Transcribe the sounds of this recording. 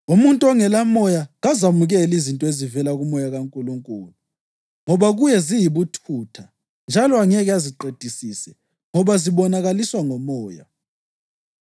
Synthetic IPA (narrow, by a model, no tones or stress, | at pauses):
umuntʼɔŋɛlamɔjaɣazamuɣɛlizintʼɔezivɛlaɣumɔjaɣaŋkʼuluŋkʼuːlu | ŋɔβaɣujɛzijiβutʰutʰa | nd͡ʒʱalɔaŋɛɣɛaziǃed̥ʱisisɛ | ŋɔβaziβɔnaɣaliswaŋɔmɔːja̰